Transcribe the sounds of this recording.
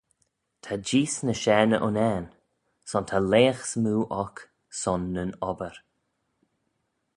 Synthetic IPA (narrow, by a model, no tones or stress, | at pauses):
t̪ʰad͡ʒiːsnəʃɛːnəʔʊnɛːn | sɔnt̪ʰaleːxsmuːʔɔk | sɔnːənɔbəɾ